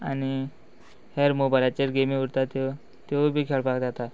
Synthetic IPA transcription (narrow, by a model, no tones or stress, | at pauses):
a̰ñi | heɾmobalat͡ɕeɾɡemĩuɾt̪at̪e | t̪ebʱiːkʰeɭpakd͡zat̪a